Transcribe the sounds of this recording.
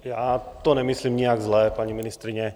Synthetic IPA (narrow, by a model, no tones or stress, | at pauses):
jaːt̪ɔɲɛmisliːmɲiaɡzlɛːpaɲiminist̪ɾiɲɛ